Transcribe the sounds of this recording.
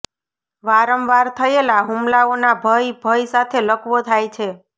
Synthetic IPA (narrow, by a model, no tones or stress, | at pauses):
ʋaɾəmʋaɾt̪ʰəelaɦumlaonabʱəjbʱəjsat̪ʰeləkʰʋot̪ʰajt͡ʃʰe